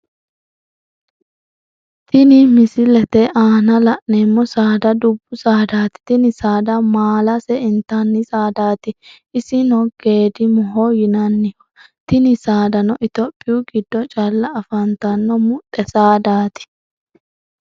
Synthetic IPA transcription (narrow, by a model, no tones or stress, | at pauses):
t̪ɪnɪmɪsɪlɛt̪ɛʔaːnɐlɐʔneːmːɔsaːd̪ɐd̪ʊbːʊsaːd̪aːt̪ɪ̥t̪ɪnɪsaːd̪ɐmaːlɐsɛɪnt̪anːɪsaːd̪aːt̪ɪ | ɪsɪnɔɡ̥e̞ːd̪ɪmɔɦɔjɪnɐnːɪ̥ | t̪ɪnɪsaːd̪ɐnɔʔɪt̪ɔpʼːɪjʊɡɪd̪ːɔt͡ʃʼɐlːɐːfɐnt̪ɐnːɔmʊt̪ʼːɛsaːd̪aːt̪ɪ̥